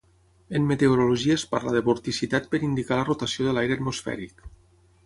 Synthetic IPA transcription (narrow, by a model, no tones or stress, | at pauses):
emːet̪eoɾoluʒiəespa̰ɾlaðəβuɾt̪isit̪at̪̚pəɾind̪ikalərot̪asioðəlajɾeat̪musfɛ̰ɾik